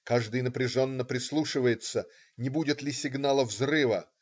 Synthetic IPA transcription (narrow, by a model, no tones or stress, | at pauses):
kaʐd̪ɨjnəpɾʲɪʐo̞nːəpɾʲɪslˠuʂɨvəjɪt̪sə | nʲɪbudʲɪt̪lʲɪsʲɪɡnalˠəvzrɨvə